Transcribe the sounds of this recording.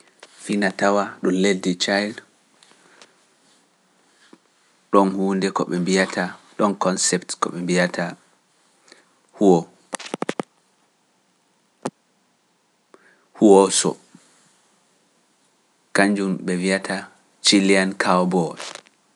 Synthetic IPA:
finatawaɗumledːit͡ʃajl | ɗɔnhuːndɛkɔ̰ɓɛmbijatʰaɗɔnkɔnsɛptkɔ̰ɓɛmbijatʰa | huɔ | huwɔsɔ̰ | kaɲd͡ʒumɓɛviatʰa | t͡ʃiliankʰawbɔd

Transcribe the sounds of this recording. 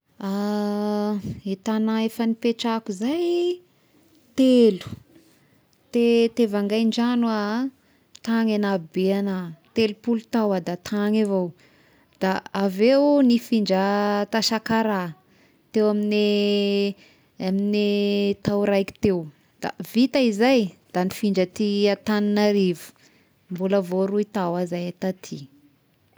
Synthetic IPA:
a | et̪anaefənipeʈ͡ʂakuzaj | t̪elu̥ | t̪et̪evaŋɡajɳd͡ʒanua | t̪aŋanabeanat̪elupulut̪awad̪at̪ʰaŋevow | d̪̥aavewnifiɳd͡ʒət̪aʃakaɾa | t̪ewamine | aminit̪awɾajki̥t̪ew | d̪̥a̰vit̪aizajd̪̥anifiɳd͡ʒət̪iat̪aninaɾivu̥ | mbuləvoɾuit̪awazajat̪at̪ʰi

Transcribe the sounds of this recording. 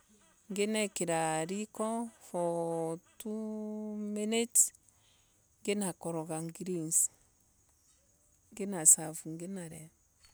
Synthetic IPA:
ŋɡenɛkiɾaɾikɔfɔtumenet | ŋɡenakɔɾɔɡaŋɡiɾins | ŋɡenasafuŋɡenaɾɛ

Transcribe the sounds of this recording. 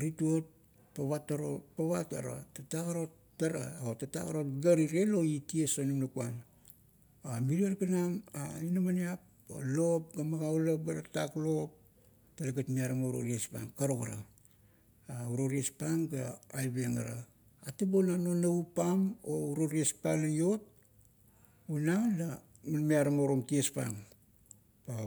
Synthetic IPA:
ɾituot̚ | paβataɾopaβata̰ɾa̰tatakaɾo̞tː | aɾa̰otata̰kaɾo̞t̚ɡaɾiɾe̞lo̞itiesonumnakuan | amiɾiaɾkanamainamaniap̚ | a̰lop̚ɡamaɡawlap̚aɾataklo̞p̚ | talaɡatmiaɾamauɾo̰ɾiespa̰ŋkaɾokaɾa̰ | auɾoɾiespaŋɡaajbeŋa̰ɾaː | tubonanonaupamouɾoɾiespalajo̞t̚ | unanla | munmiaɾamaɾomtiespa̰ŋ | pa

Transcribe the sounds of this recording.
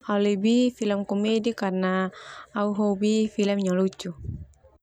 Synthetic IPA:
alibifiləmkɔmedikarnaː | uɦɔbifilɛmɲalut͡ʃu

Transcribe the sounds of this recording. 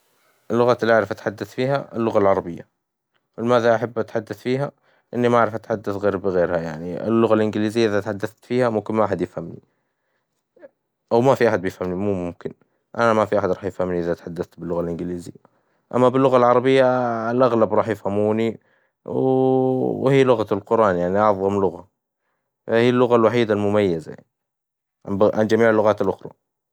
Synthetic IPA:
ʔɪlːʊɣaːt̪ɪlːiʔaʕɾɪfʔat̪ħad̪ːaθfiːɦa̰ʔɪlːʊɣalʕɑɾˤɑbɪjːa | wɪlɪmaːðaʔaħabːʔat̪ħad̪ːaθfiːɦa | ʔɪnːimaaʕɾɪfʔat̪ħad̪ːaθɣeːɾbɪɣeːɾhajaʕniɪ̰lːʊɣalʔɪnɡɪliːzɪjːaʔɪðat̪ħad̪ːaθt̪fiːhamʊmkɪnmaʔaħad̪jɪfhamnḭ | ʔawmafiʔaħad̪̚bjɪfhamnimuːmʊmkɪn | ʔa̰namafiʔaħad̪ɾˤɑːħjɪfhamniʔɪðat̪ħad̪ːaθt̪bɪlːʊɣalʔɪnɡɪliːzɪ̰jːa | ʔa̰mːabɪlːʊɣalʕɑɾˤɑbɪjːaɪlʔaɣlabɾˤɑːħjɪfhamuːni | w | whiːlʊɣalqʊɾˤʔɑːnjaʕniʔɑðˤɣɑmlʊɣa | fahiːlːʊɣalwaħiːd̪almʊmajːazaja̰ni | ʕa̰nbʕand͡ʒamiːʕɪlːʊɣaːt̪alʔʊxɾˤɑ̰

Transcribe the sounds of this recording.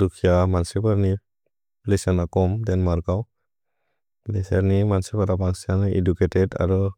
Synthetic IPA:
ɾukʰijamansipaɾni | lesanakɔmdɛnmaɾkaw | lesaɾnimansipaɾabaŋsaneduketɛda̰ɾɔ

